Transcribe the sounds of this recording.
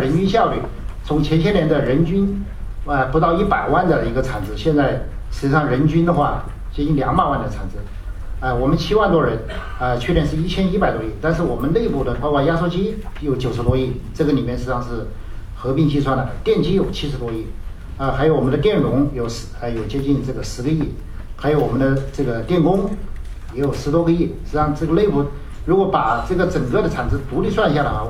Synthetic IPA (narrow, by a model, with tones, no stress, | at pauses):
ɻə˧˥nt͡ɕy˥nɕjɑ˥˧ʊly˥˩ | t͡sʰʊ˧˥ŋt͡ɕʰɛ˧˥nt͡ɕʰɛ˥nljɛ˧˥nd̪ə˧ɻə˧˥nt͡ɕy˥nə˧pu˧˥t̪ɑ˥˧ʊi˥˩pa˨˩ɪwa˥˩nd̪ə˩i˧˥ɡə˧t͡sʰa˨˩nd͡zɹ̩˧˥ɕjɛ˥˧nt͡sa˥˩ɪ | ʂɻ̩˧˥t͡ɕi˥˩ɑ˥˩ŋɻə˧˥nt͡ɕy˥nd̪ə˨xwa˥˩ | t͡ɕt͡ɕi˥nljɑ˨˧˥ŋpa˥˩nwa˥˩nd̪ə˩t͡sʰa˨˩nd͡zɹ̩˧˥ | ə˥˧wɔ˨˩mə˦nt͡ɕʰi˥wa˥˩nt̪wɔ˥ɻə˧˥n | ə˧t͡ɕʰɛ˥˩jɛ˥˧nʂ̬ɻ̩˥˧i˥˩t͡ɕʰjɛ˥ni˥pa˨˩ɪt̪wɔ˥i˥˩t̪a˥˧nʂɻ̩˥˩wɔ˨˩mə˦nne˥˧ɪpu˥˩d̪ə˩pɑ˥ʊkwɔ˥˧ja˥ʂo˥˧ʊt͡ɕi˥jo˧˥ʊt͡ɕjo˨˩ʊʂɻ̩˧t̪wɔ˥i˥˩ʈ͡ʂɤ˥˩ɡə˩li˨˩mjɛ˥˧nʂɻ̩˥ʂɑ˥˧ŋʂɻ̩˥˩ | xɤ˧˥pi˥˧ŋt͡ɕi˥˧s̬wa˥˩nlə˩t̪jɛ˥˩nt͡ɕi˥jo˨˩ʊt͡ɕʰi˥ʂɻ̩˧˥t̪wɔ˥i˥˩ | ə˧xa˧˥ɪjʊwɔ˨˩m˧˦nd̪ə˧t̪jɛ˥˩nɻʊ˧˥ŋjo˧˩ʊʂ̩˧˥ə˥˧jo˨˩ʊt͡ɕjɛ˥t͡ɕi˥˧nʈ͡ʂɤ˥˩ɡə˩ʂɻ̩˧˥ɡə˧i˥˩ | xa˧˥jo˧˥ʊwɔ˨˩mə˦nd̪ə˧ʈ͡ʂɤ˥˩ɡə˩t̪jɛ˥˩nkʊ˥ŋ | jɛ˧˥jo˨˩ʊʂɻ̩˧˥t̪wɔ˥ɡə˧i˥˩ʂɻ̩˥˩ʂɑ˥˧ŋʈ͡ʂɤ˥˩ɡə˩le˥˧ɪpu˥˩ | ɻu˧˥kwɔ˧˥pa˨˩ʈ͡ʂɤ˥˩ɡə˩ʈ͡ʂə˨˩ŋkɤ˥˩d̪ə˩t͡sʰa˨˩nt͡s̩˥˩t̪u˧˥li˥˧s̬wa˥˩n˧ɕ̬ja˥˩d̪ə˩xwa˥˩